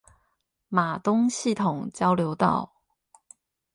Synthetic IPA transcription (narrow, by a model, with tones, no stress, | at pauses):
ma˨˩t̪ʊ˥ŋɕi˥˨t̪ʰʊ˨˩ŋt͡ɕjɑ˦˥ʊljo˧˦ʊt̪ɑ̰˥˩ʊ